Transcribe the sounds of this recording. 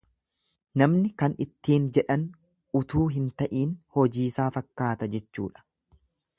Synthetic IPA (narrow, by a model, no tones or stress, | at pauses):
nɐmnɪkɐnɪt̪ːiːnd͡ʒɛᶑɐn | ʊt̪uːɦɪnt̪ɐʔiːnhɔd͡ʒiːsaːfɐkːaːt̪ɐd͡ʒɛt͡ʃːṵːᶑɐ̥